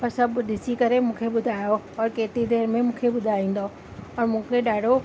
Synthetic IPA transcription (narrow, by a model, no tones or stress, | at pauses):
pɐɾsɐbʊɗɪsikɐɾemũːkʰeɓʊd̪ʱaːjo | ɔːɾkeːt̪ɾid̪eːɾmẽmũːkʰeɓʊd̪ʱaːĩːn̆d̪o | ɔːɾmũːkʰeɗaːɖʱo